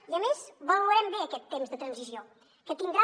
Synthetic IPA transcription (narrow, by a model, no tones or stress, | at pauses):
iəmezβəlɾɛmbeəkɛt̪ːemzðət̪ɾənzizio | kət̪iŋɡɾa